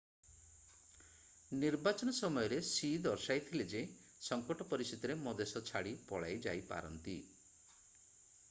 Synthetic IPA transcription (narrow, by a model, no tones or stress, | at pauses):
niɾbat͡ʃɔnɔsɔmɔjɔɾesid̪ɔɾsajt̪ʰiled͡ʒe | sɔŋkɔʈɔpɔɾisit̪ɔɾemɔd̪esɔt͡ʃʰaɽipɔɭa̰jd͡ʒa̰jpa̰ɾɔ̰nt̪ḭ